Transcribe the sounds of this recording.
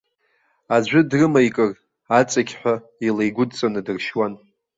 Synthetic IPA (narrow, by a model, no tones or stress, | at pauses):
ad͡ʒʷʊdrɨmajkʼɨr | at͡sʼakʲʰħʷa | ilejɡʷʊdt͡sʼanɨdɨrʃwan